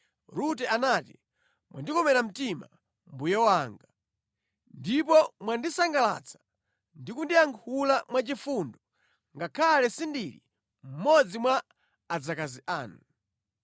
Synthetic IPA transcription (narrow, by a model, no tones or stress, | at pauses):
ɾutɛanati | mwʔa̰ndikɔmɛɾam̩tima̰ | mbujawaŋɡa | ndipɔmwandisaŋɡala̰t͡sʰḁ | ndikundiaŋkʰulamwat͡ʃifundɔ | ŋɡakʰalɛsindiɾḭ | m̩mɔd͡zimwaː | d͡zakaziʔaːnu